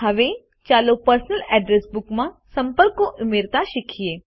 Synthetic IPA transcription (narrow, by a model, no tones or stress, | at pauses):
ɦɐʋe | t͡ʃaːlopɐɾsənəlɛːɖɾesbʊkmã | sɐ̃mpəlkːoʔʊmeːɾt̪aʃɪkʰijeː